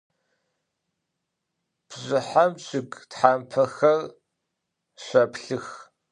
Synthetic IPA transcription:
b̥ʑʷɪħamɕʼɪɡtħaːmpʰɐxɐr | ɕʷɐpɬɨx

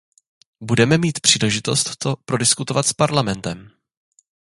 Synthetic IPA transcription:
budɛmɛmiːt̪pr̝̥iːlɛʒɪt̪o̞st̪ːopɾo̞dɪskut̪ovat̪spaɾlamɛnt̪ɛm

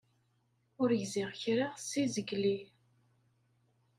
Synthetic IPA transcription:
ʊɾjziʁçɾaʁsizəɡli

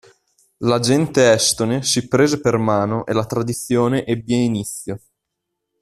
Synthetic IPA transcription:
lad͡ʒɛnt̪eɛst̪onesipɾeːzepermaːnoʔelat̪ɾad̪it̪sːjoːneʔebːjɛinit̪sːjo

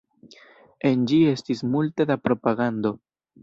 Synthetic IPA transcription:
e̞nd͡ʒie̞stismulte̞dapɾo̞paɡando̞

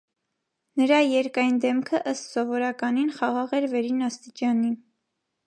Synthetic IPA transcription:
nəɾɑjɛɾkɑjnd̪ɛmkʰəʔəst̪sɔvɔɾɑkɑninχɑʁɑʁɛɾvɛɾinɑst̪it͡ʃɑni

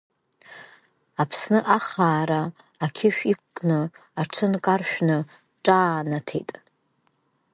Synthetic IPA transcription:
apʰsnɨʔaχaːɾaː | kʲʰɪʃᶣikʷʰkʼnɨaʈ͡ʂʷʰɨnkʼarʃᶣnɨ | ʈ͡ʂʼaːnatʰḛjtʼ

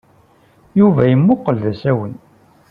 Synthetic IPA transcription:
juvæjəmːʊqəlðæsæwən

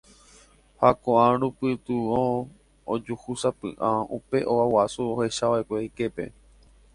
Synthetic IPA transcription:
hakõʔãɾupɨt̪uõ | od͡ʒuhusapɨ̰ʔãupe̞ʔoawasuohe̞ʃaʋaekʷejke̞pe̞̰

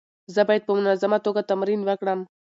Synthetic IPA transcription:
zɐbaːjid̪̚pəmʊnazɐmat̪oːɡat̪ɐmɾiːnʋɐkɽam

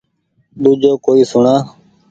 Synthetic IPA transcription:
ɗ̪uːd͡ʒoːkoːiːsʊɳaː

